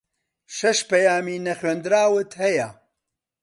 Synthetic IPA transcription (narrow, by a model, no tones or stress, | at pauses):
ʃɐʃpɐjaːmiːnɐχɥeːnd̪ɨɾaːwɨt̪hɐjɐ